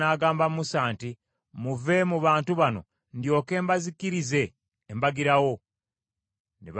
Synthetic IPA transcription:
aːɡaːmbammusaːnti | muve̞muβaːntuβano̞̰ | ndjo̞ːke̞ːmbazikiɾize̞ː | mbaɡiɾawo̞ | neβ

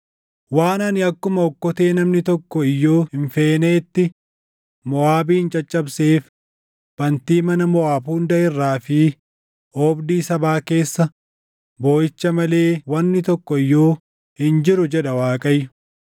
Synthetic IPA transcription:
waːnɐnɪɐkːʊmɐɔkːɔt̪e̞ːnɐmnɪt̪ɔkːɔɪjːoːhɪɱfe̞ːneːt̪ːɪ | mɔaːbiːnt͡ʃʼɐt͡ʃʼːɐbseːf | b̥ɐnt̪iːmɐnɐmɔaːbuːnd̪ɐɪrːaːfɪ | ʔoːbd̪iːsɐbaːke̞ːsːɐ | bo̞ːjɪt͡ʃːɐmɐle̞ːwɐnːɪt̪ɔkːɔɪjːoː | hɪnd͡ʒɪɾʊd͡ʒɛᶑɐwaːkʼɐjːʊ̥

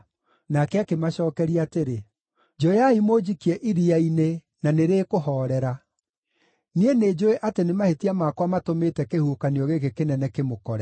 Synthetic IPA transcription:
nakɛakemaʃɔːkɛɾiateɾe | d͡ʒɔjaimod͡ʑikiɛʔiɾiaine | naneɾeːkoɦɔɾɛɾa | niened͡ʒoeʔatenemahetiamakwamatometɛkehukaniɔɣeɣekenɛnɛkemokɔɾɛ

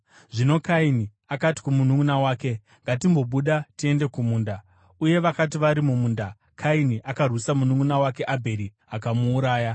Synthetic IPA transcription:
ʐino̞kaini | akati̥kumunuunawaːke̞ | ŋɡatimbo̞ɓuɗatie̞nde̞kumuːnda | uje̞ʋakatiʋaɾimumuːnda | kʰainiʔakarwusamunuŋunawake̞ʔabʱe̞ɾi | akamuːɾaːja

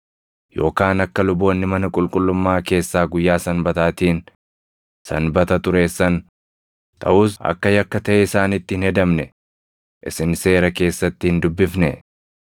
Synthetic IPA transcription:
jo̞ːkaːnɐkːɐlʊbo̞ːnːɪmɐnɐkʼʊlkʼʊlːʊmːaːke̞ːsːaːɡʊjːaːsɐnbɐt̪aːt̪iːn | sɐ̰nbɐt̪ɐt̪ʊɾeːsːɐn | t̪ʰʼɐ̰ʔuːsɐ̰kːɐjɐkːɐt̪ɐʔɛɪsaːnɪt̪ːɪhɪnhɛd̪ɐmnɛ | ʔɪsɪnse̞ːɾɐke̞ːsːɐt̪ːɪhɪnd̪ʊbːɪfnɛ

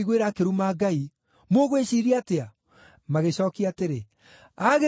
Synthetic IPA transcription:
iɣweɾakeɾumaːɡai | moɣweʃiɾiatea | maɣeɕɔːkiateɾe | aɣe

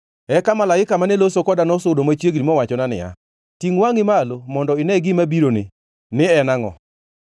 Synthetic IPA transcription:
ɛkamalaɪkamanɛlosokɔdanɔsʊdomat͡ʃjeɡɾimɔwat͡ʃɔnanɪ̰ja̰ | tiŋwaŋɪmalomɔndɔɪnɛɡɪmabiɾonḛ | nɪɛnaŋɔ̰

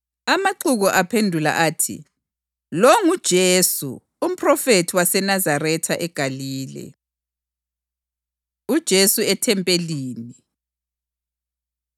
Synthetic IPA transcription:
amaǃuɣɔʔapʰendʱula̰ʔaːtʰḭ | loŋud̥ʒ̥ʱeːsṵ | um̩pʰʼrɔfetʰiwasɛnazarɛtʰaʔɛɡ̥ʱaliːlɛ̰ | ud̥ʒ̥ʱesuɛtʰɛmpʼeliːni

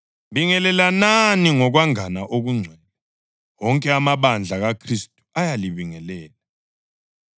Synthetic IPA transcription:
ɓiŋɛlɛlananiŋɔk̬waŋanaʔok̬uŋ͡ǀʱɛlɛ | wɔŋkʼɛamaɓand͡ɮʱaɣakʰristʼu̥ajaliβiŋɛlɛːla

